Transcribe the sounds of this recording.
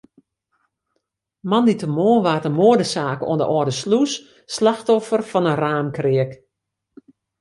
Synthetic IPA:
mɑnditəmoəʋaːtəmoədəsaːko̰əndə̰ʔɔrdəslus | slaxtɔfərfɔnəraːmkrɪək

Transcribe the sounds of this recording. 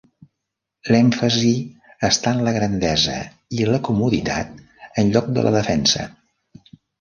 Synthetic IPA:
lɛɱfəzi | əst̪anləɣɾənd̪ɛzə̰ | iləkumuðit̪a̰t̪̚ | ənʎɔk̚d̪ə̰lʔə̰ðəfɛnsə̰

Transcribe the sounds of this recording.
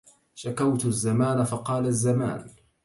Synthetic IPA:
ʃakawt̪azːamaːnafɑqɑːlazːama̰ːn

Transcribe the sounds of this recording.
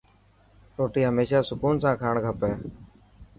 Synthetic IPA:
ɾoːʈiːɦəmeːʃaːsʊkuːnsãːkʰaːɳɡʱəpeː

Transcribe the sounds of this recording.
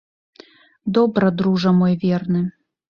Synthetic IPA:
d̪obɾɐd̪ɾuʐɐmojvʲernɨ

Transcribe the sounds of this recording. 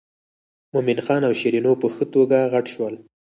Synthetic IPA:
momɪnxɑnawʃiɾinopəxət̪oɡaɣaʈʃwəl

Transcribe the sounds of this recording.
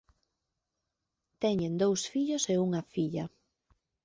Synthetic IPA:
t̪ɛɲend̪owsfiʎoseuŋɐfiʎɐ

